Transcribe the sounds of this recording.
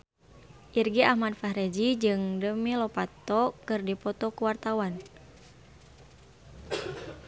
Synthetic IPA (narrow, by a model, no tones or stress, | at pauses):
ʔirɡiahmadfahɾɛd͡ʒid͡ʒɨŋdəmilɔpat̪ɔkɨrdipɔt̪ɔkuwart̪awan